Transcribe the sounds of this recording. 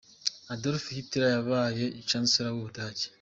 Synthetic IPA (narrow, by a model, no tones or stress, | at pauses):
adoɾfihitiɾajaβaːje̞ʔit͡ʃansiɾawuβudaːɟe̥